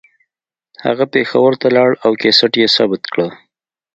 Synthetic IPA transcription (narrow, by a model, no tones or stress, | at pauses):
ha̰ɣapexawəɾt̪alɑɽawkesaʈjesɑbɪt̪kɽə